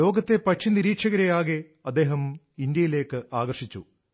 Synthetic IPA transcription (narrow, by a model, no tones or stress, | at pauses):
o̞ːɡɐt̪ːe̞pɐʈʂiniɾiːkʂɐɣɐɾejaːɣe | ɐd̪ːe̞ːɦɐm | ind̪jɐjile̞ːkːɨʔaːɡɐrʂit͡ɕːṵ